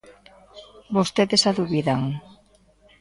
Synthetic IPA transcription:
bost̪eðesaðuβiðaŋ

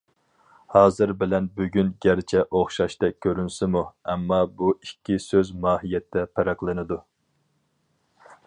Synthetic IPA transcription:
hɑːzɨɾbɪlɛnbyɡʲynɡʲæɾt͡ʃʰɛʔoχʃɑʃt̪ɛkʲʰːøɾynsɪmuɛmːɑbuikʲːisøzmɑːɦijɛt̪ʰːɛpʰɛɾæqlˠɨnɨd̪u

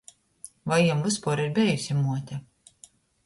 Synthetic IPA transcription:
vajːumvɨspuːɾiɾbʲɛjusʲimuɔt̪ʲɛ

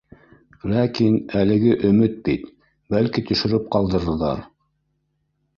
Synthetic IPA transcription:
lækinælɘ̆ɡɘʔɵ̆mɘt̪̚bit̪ | bælkit̪ɵ̆ʃɵ̆ɾɘp̚qɑlˠd̪ɤ̆ɾɤ̆ðɑ̰ɾ

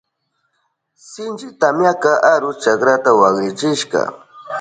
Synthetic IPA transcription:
sɪnt͡ʃɪt̪amjakaʔaɾʊt͡ʃakɾat̪awakɾɪt͡ʃɪʃkɑ̰

